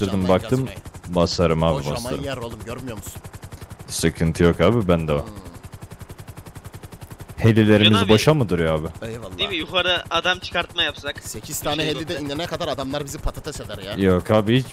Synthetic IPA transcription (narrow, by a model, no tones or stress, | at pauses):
ɯɾd̪ɯmbak̚t̪ɯmbaslˠaɾɯmaːbibaslˠaɾɯmɾolˠumɟøɾmyjoɾmusu̥nsɯkʰɯnt̪ʰɯjokaːbibænd̪ɛo | helʲːilʲe̞ɾimizbo̞ʃamɯd̪ɯɾjaːbilˠːd̪imijuxaɾaːd̪amt͡ʃʰɯ̥kaɾt̪majapsaksecʰiz̥t̪ʰaːnɛɦelʲid̪ɛinenɛkʰad̪aɾad̪amlˠaɾbizipʰat̪ʰɯt̪ʰɛsed̪æɾjajokʰaːbihit͡ʃ